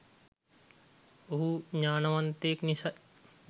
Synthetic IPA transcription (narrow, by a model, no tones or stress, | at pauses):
ɦuɲaːnɐʋɐnt̪eːknisɐ